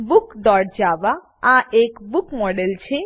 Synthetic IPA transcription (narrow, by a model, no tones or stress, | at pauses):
bukɖɔʈd͡ʑaba | aʔekbukmɔɖelt͡ɕʰe